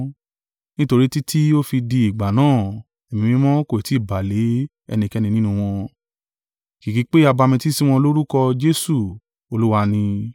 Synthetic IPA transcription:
nĩ˦to˧ɾi˦ti˦tʰi˦o˦fi˧di˧i˨ɡ͡ba˨nãː˦˨ | e˨mĩ˧mĩ˦mɔ̃˦ko˧˨e˨ti˨˦i˦˨ba˨le˨˦ | ɛ̰˧nĩ˧˨kɛ˦nĩ˧nĩ˦nũ˧w̃ɔ̃˧ | ki˨ki˨˦k͡pe˦a˧ba˧mĩ˧ti˦si˦w̃ɔ̃˧lo˦ɾu˦kɔ˧d͡ʒe˦su˦˨ | o˧lu˦wa˧nĩ˧

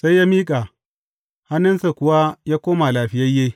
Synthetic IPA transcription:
sa˦jːaː˦miː˦kʼa˨ | ha˦nːɪ˦nsa˨kʷʊ˨wa˦jaː˦kʷoː˦ma˨laː˨ɸɪ˦jɐ˦jːe˦

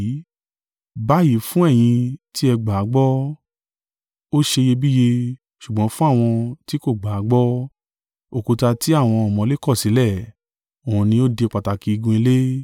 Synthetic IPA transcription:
ba˦ji˨˦fũ˦ɛ˦˨j̃ĩ˧ti˦ɛ˧ɡ͡ba˨˦ɡ͡bɔ˦ | o˦ʃe˧je˧bi˦je˧ | ʃu˨ɡ͡bɔ̃˨˦fũ˦a˦˨w̃ɔ̃˧ti˦ko˦˨ɡ͡ba˨a˨˦ɡ͡bɔ˦ | o˦˨ko˨ta˧ti˦a˦˨w̃ɔ̃˧ɔ˨mɔ̃˧˦le˦kɔ˦˨si˨˦lɛ˦˨ | o˨ũ˨˧nĩ˧o˦de˧k͡pa˨ta˨ki˨˦˧ɡũ˧i˧le˦

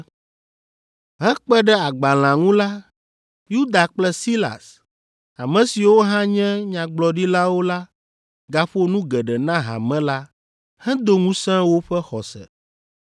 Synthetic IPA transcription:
ɦɛ̃˦k͡pɛ˦ɖɛ˦a˨ɡ͡ba˨l̃ã˨ŋũ˦la˦ | ju˦d̪a˨k͡plɛ˦si˦la̰˨s | a˨mɛ̃˨si˨wo˦ɦã˦ɲɛ̃˦ɲã˨ɡ͡blɔ˨ɖi˦la˦wo˦la˦ | ɡa˨ɸo˦nũ˦ɡɛ˨ɖɛ˨nã˦ɦa̰˨mɛ̃˦la˦ | hɛ̃˦d̪o˦ŋũ˦sɛ̃˦wo˦ɸɛ˦xɔ˨sɛ̰˨

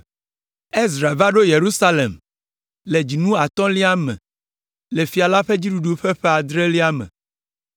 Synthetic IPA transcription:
e˦zɾa˨va˦ɖo˦je˨ɾu˦sa˦le˨m | le˨d͡ʑi˨nũ˦a˨t̪ɔ̃˦li˦a˦mɛ̰̃˨ | le˨fi˨a˨la˦ɸe˦d͡ʑi˦ɖu˨ɖu˦ɸe˦ɸe˦a˨d̪ɾe˦li˦a˦mɛ̰̃˨

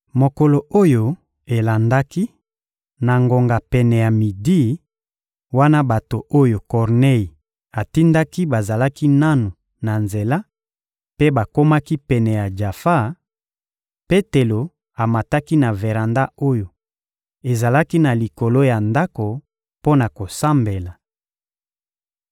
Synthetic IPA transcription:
mo˨ko˨lo˨o˦jo˦ | e˨la˨nda˦ki˦ | na˨ŋɡo˨ŋɡa˨pɛ˨nɛ˨ja˨mi˨di˦ | wa˦na˦ba˨to˨ʔo˦jo˨kɔ˨ʁne˦ji˨ | a˨ti˦nda˦ki˦ba˨za˨la˦ki˦na˦nu˨ | na˨nze˨la˦ | pe˦ba˨ko˦ma˦ki˦pɛ˨nɛ˨ja˨d͡ʒa˨fa˦˨ | pe˦te˨lo˨ | a˨ma˨ta˦ki˦na˨ve˨ʁa˨nda˦o˦jo˨ | e˨za˨la˦ki˦na˨li˨ko˨lo˦ja˨nda˦ko˨ | po˦na˨ko˨sa˦mbe˨la˨

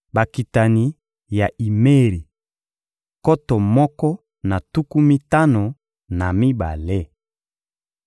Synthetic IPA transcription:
ba˨ki˨ta˨ni˨ | ja˨i˨me˦ʁi˨ | ko˦tɔ˨mɔ˦kɔ˦ | na˨tu˦ku˦mi˦ta˦no˨ | na˨mi˦ba̰˨le˦

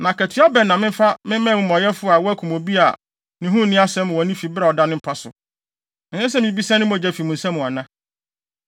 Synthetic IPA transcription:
nã˨kʰɛ˨tʰɪ˨˦a˦bɛ˨nã˨mɪ̃˦m˦fa˦mɪ̃˦mɛ̃ː˦˨mʊ̃˦mɔ̃˨jɛ˦fʊ˦a˨wɔ˦æ˦kʰũ˨mo˨bi˦a˨ | nɪ̃˨ɦũ˦˨nɪ̃˦a˦sɛ̃˦m̃˨wɔ̃˨nĩ˦fi˨bɾɛ˨ɔ˨da˦nɪ̃˦m̩˦pʰa˦sʊ̰̃˨ | ɲɛ̃˦s̬ɛ˦mɪ̃˦bi˦sɛ̃˦nɪ̃˦mɔ̃˨d͡ʑɛ˦fi˨mũ˨sã˦mũ˨a˨nã˦

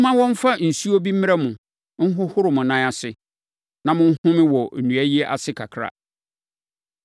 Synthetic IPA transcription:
mã˦wɔ̃˦m̩˦fa˦n̩˨su˦o˦bi˦mɪ̃˦a˦mʊ̃˨ | ŋ̩˦ɦʊ˦hʊ˦ɾʊ˨mʊ̃˨nã˦a˨sɪ˦ | nã˨mʊ̃˦n̩˦hʊ̃˦mɪ̃˦wɔ˨nũ˨æ˦ji˦ɛ˦ʔa̰˨sɪ˦kʰa˨kʰɾa̰˨

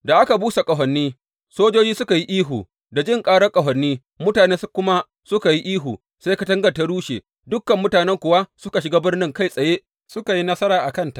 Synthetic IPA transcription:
da˨ʔa˦ka˨buː˦sa˨kʼɐ˨ɦɐ˨nːiː˦ | soː˦d͡ʒoː˦d͡ʒiː˦sʊ˦ka˨ji˦ʔiː˦ɦuː˨ | da˨d͡ʒɪ˦˨ŋkʼaː˦ɽɐ˦kʼɐ˨ɦɐ˨nːiː˦ | mʊ˦taː˨neː˦skʊ˦ma˦ | sʊ˦ka˨ji˦ʔiː˦ɦuː˨ | se˦ka˦tɐ˦ŋɡɐ˨ta˦ɽuː˦ʃḛː˨ | dʊ˦kːɐ˨mːʊ˦taː˨nɛ˦ŋkʷʊ˨wa˦sʊ˦ka˨ʃɪ˨ɡaː˦bɪ˦rnɪ˦ŋka˦˨jsʼɐ˨jeː˦ʔ | sʊ˦ka˨ji˦nɐ˦sɐ˦ɾaː˨ʔa˨kɐ˦˨nta˨ʔ

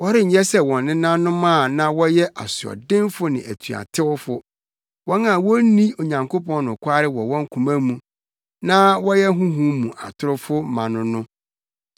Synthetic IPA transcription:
wɔ˦ɾɪ˦ɲ̩˨ɲɛ˦sɛ˦wɔ̃˨nːɪ̃˦nã˦nːʊ̃˦m˦ã˦˨nã˦wɔ˦jɛ˦ʔa˨sɪ˨ɔ̰˨dɪ̃˦nfʊ˦nɪ̃˨ʔæ˨tʰɥa̰˨tʰɪ˦wʊ˦fʊ˦ | wɔ˦nã˨wo˦nĩ˦o˨ɲã˨ŋko˦pʰɔ̃˦n˦nʊ̃˨kʷʰa˦ɾɪ˦wɔ˨wɔ̃˦ŋ˦kʰũ˨mã˦mũ˨ | nã˦wɔ˦jɛ˦ɦũ˦ɦũ˦mũ˨ʔa̰˨tʰʊ˦ɾʊ˦fʊ˦mã˨nʊ̃˦nʊ̃˦

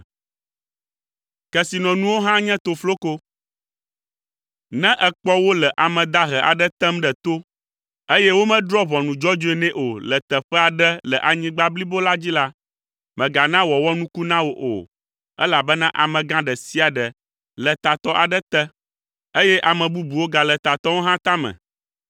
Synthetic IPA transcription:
kɛ˨si˨nɔ̃˨nũ˦wo˦ɦã˦ɲɛ̃˦t̪o˨flo˦ko˦ | nɛ̃˦ʔə˨k͡pɔ˦wo˦lə˨ʔa˨mɛ̃˨d̪a˦ɦɛ˨ʔa̰˨ɖə˦t̪ɛ˦mɖə˨t̪o˦ | e˦jɛ˦wo˦mɛ̃˦d̪ɾɔ˦βɔ˨nũ˨d͡ʒɔ˦d͡ʒo˦ɛ˨nɛ̃˦ʔo˨lə˨t̪ə˨ɸɛ˦a˨ɖə˦lə˨ʔa˨ɲĩ˦ɡ͡ba˦bli˦bo˦la˦d͡ʑi˦la˦ | mɛ̃˨ɡa˨nã˦wɔ˨wɔ˦nũ˦ku˦nã˦wo˦ʔo̰˨ | ɛ̰˦la˨bə˦nã˦ʔa̰˨mɛ̃˨ɡã˦ɖə˨si˦a˨ɖə˨ | lə˨t̪a˨t̪ɔ˦ʔa˨ɖə˦t̪ə˦ | e˦jɛ˦ʔa˨mɛ̃˨bu˦bu˨wo˦ɡa˨lə˨t̪a˨t̪ɔ˦wo˦ɦã˦t̪a˦mɛ̰̃˨

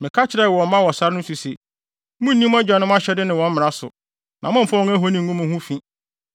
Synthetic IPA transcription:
mɪ̃˨kʰa˦t͡ɕʰɪ˨ɾa˦˨wɔ˨˦mã˦wɔ˨sa˦ɾɪ˦nʊ̃˦su˨se˨ | mũ˦n˨nĩ˦m˦a˦d͡ʑᶣa˨nɪ̃˦m˦a˦ɕɛ˦dɪ˦nɪ̃˨wɔ̃˨˦m̩˦ɪ̃˨a˦sʊ̰˨ | nʔã˨mʊ̃˦m̩˨fa˦wɔ˦ŋæ˦ɦo˦nĩ˦˨˦ɡũ˦mʊ̃˨hũ˦fĩ˦

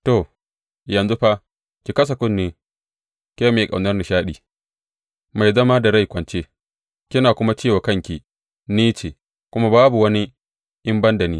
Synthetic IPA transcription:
to˨ | jɐ˨nzu˦ɸa˦ | kʲi˨kɐ˦s̬ɐ˨kʊ˦nːeː˨ | kʲe˦me˨kʼa˨wnɐ˦rni˨ʃaː˦ɗiː˨ | ma˨jzɐ˦ma˦da˨ɽa˦˨jkʷɐ˨nt͡ʃeː˦ | kʲɪ˦naː˨kʷʊ˦ma˦t͡ʃeː˦˨wa˨kɐ˦˨ŋkʲi˨ | niː˦t͡ʃe˨ | kʷʊ˦ma˦baː˦bu˨wɐ˦ni˦ | ʔɪ˦mbɐ˦nda˨niː˦

